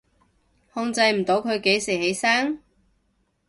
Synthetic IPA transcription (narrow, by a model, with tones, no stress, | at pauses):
hɔː˧ŋt͡sɐ˧jm̩˨˩t̪o˨˥wkʰɵ˨˧ɥke˨˥jsi˨˩he˨˧˥jsaː˥ŋ